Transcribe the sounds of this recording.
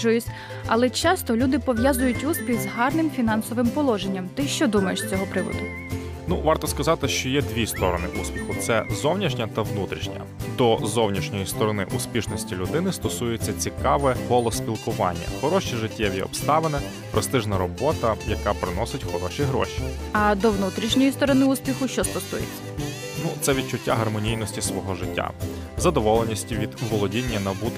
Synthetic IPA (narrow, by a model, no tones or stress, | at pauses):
ʊjʊsʲ | ɐ̰lˠɛt͡ʃɑst̪ɔlʲud̪ɪpɔʋjazʊjʊtʲuspʲiɣzɦɑrnɪmfʲinɑnsɔʋɪmpɔlˠɔʒenʲːɐmt̪ɪʃt͡ʃɔd̪umɐjeʃsʲt͡sʲɔɦɔpɾɪʋɔ̰d̪ʊ | nuʋɑrt̪ɔskɐzɑt̪ɪʃt͡ʃɔjɛd̪ʲʋʲist̪ɔɾɔnɪ̰ʔuspʲixʊt̪sɛzɔwnʲiʃnʲɐt̪ɐʋnut̪ɾʲiʃnʲɐ̰d̪ɔzɔwnʲiʃnʲɔjist̪ɔɾɔnɪ̰ʔuspʲiʃnɔsʲtʲilʲʊd̪ɪnɪst̪ɔsujet͡sʲːɐt͡sʲikɑʋɛɦɔlˠɔspʲilˠkʊʋɑnʲːɐ̰xɔɾɔʃt͡ʃiʒɪtʲʰːɛʋʲjḭɔ̰pst̪ɑʋenɛ | pɾʔɪst̪ɪʒnɐɾɔbɔt̪ɐjɐkɑpɾɪnɔsɪtʲxɔɾɔʃiɦɾɔ̰ʃi̥ | ɐd̪ɔwnut̪ɾʲiʃnʲɔjist̪ɔɾɔnɪuspʲixʊʃt͡ʃɔst̪ɔsujet͡sʲɐ̥ | nut̪sɛʋʲid̪̚t͡ʃʊtʲːaɦɐrmɔnʲijnɔsʲtʲisʋɔɦɔʒɪtʲːa̰ | zɐd̪ɔʋɔlˠenʲisʲtʲiʋʲid̪ʋɔlˠɔdʲinʲːɐnɐbut̪